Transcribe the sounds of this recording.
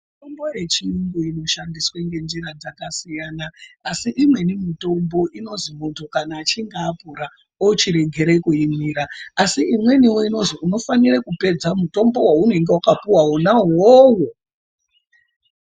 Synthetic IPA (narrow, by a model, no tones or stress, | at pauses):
mitombo̞je̞t͡ʃiuŋɡuino̞ʃandisweŋɡe̞nd͡ʒiɾad͡zakasijanaːsiʔimwe̞nimito̞mbo̞ʔino̞zimontʰokanaːt͡ʃiŋɡaːpuɾa | ot͡ʃiɾe̞ɡʱe̞ɾekuimiɾaasiimwe̞niweino̞ziuno̞fanirekupe̞d͡zamuto̞mbo̞waunoiŋɡewakapuwawonaɦowo